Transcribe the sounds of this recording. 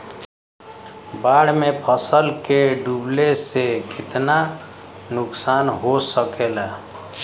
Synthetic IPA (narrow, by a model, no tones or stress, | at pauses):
baɽ̤mepʰəsəlkeɖublesekit̪na | nuksanɦosəkela